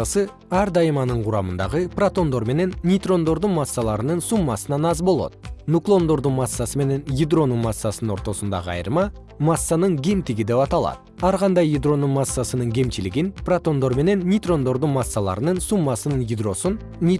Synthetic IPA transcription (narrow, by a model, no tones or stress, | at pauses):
asɨ | ɑɾd̪ɑjəmɑnəɴqʰʊɾɑmənd̪ɑ̰ʁəprat̪o̞nd̪o̞ɾme̞ne̞nːʲit̪ro̞nd̪o̞ɾd̪unmasːɑlˠɑɾənənsumːɑsənɑnɑzbo̞lˠo̞̰t̪nuklˠo̞nd̪o̞ɾd̪umɑsːɑsəme̞ne̞njid̪ro̞numɑsːɑsənno̞̰ɾt̪o̞sənd̪ɑ̰ʁəɑ̰jə̰ɾmɑ | mɑsːanəɴɡʲe̞mt̪ɪɡʲid̪e̞pɑt̪ɑlˠɑ̰d̪ | ɑɾʁɑnd̪ɑjid̪ro̞numasːɑsənɨɴɡʲe̞mt͡ʃilɪɡʲinprat̪o̞nd̪o̞ɾme̞ne̞nːʲit̪ro̞nd̪o̞ɾd̪uɴmɑsːɑlˠɑ̰ɾənənsumːɑsənɯnjid̪ro̞sun | nʲi